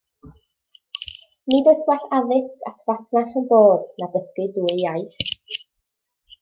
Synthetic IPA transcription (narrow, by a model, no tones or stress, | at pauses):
nɪdəθwaθaðɪskatʰvaθnaχənboːdnabəskɨduːɪjajs